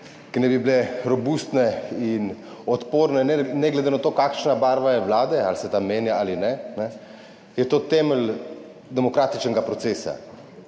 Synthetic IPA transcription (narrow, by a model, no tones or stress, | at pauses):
kinɛbiblɛɾɔbust̪nɛin | ɔt̪poːɾnɛnɛnɛɡlɛd̪enat̪oːkakʃnabaːɾʋajɛʋlaːd̪ɛalsɛt̪amːeːnjaalinɛnɛ | jɛt̪oːt̪ɛməl | d̪ɛmɔkɾaːt̪it͡ʃnɛɡapɾɔt̪seːsa̰